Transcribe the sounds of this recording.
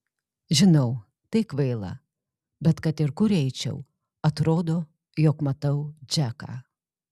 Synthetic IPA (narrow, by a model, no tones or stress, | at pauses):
ʒʲɪnɐʊ | t̪ɐɪkʋɐɪlˠɐ̰ | bʲɛt̪kɐt̪ɪɾkʊɾɛɪt͡ʃʲɛ̰ʊ | ɐt̪ɾoːd̪oː | joːkmɐt̪ɐʊd͡ʒʲækɑ̰ː